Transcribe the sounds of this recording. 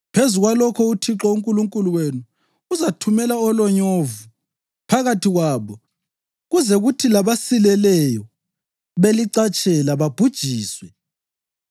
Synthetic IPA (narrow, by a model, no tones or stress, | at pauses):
pʰezuɣwalɔkʰɔutʰiǁɔuŋkʼuluŋkʼuluwenuː | zatʰumɛlaɔlɔɲovu | pʰaɣatʰiɣwaːβɔ | ɣuzɛɣutʰilaβasilɛlɛjɔ | βeliǀat͡ʃʼɛlaβab̥ʱud̥ʒ̥ʱiːswɛ